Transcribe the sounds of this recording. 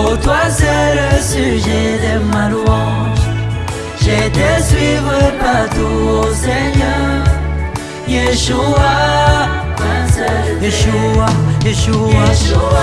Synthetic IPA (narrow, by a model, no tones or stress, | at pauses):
ot̪wazɛɾəsyʒɛd̪əmaluɑ̃ʒ | ʒet̪ɛsɥivʁəpat̪uoseɲœ | jeʃua | eʃuaeʃua